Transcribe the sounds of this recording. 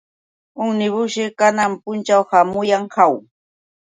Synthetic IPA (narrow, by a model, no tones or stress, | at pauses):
ʊŋnɪβʊʃɪkanampʊnt͡ʃawhamʊjaŋhaw